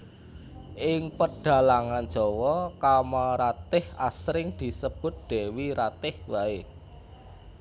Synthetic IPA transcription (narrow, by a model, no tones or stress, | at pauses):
ʔɪŋpəɖ̥a̤laŋand̥ʒ̥ɔ̤wɔkamaɾat̪ɪhasɾɪŋd̪̥i̤səb̥ʊ̤t̪̚d̪̥e̤wiɾat̪ɪhwae